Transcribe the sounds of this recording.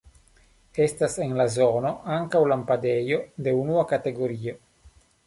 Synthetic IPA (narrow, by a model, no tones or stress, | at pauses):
e̞stasenlazono̞aŋkawlampadejo̞de̞unuakate̞ɡo̞ɾio̞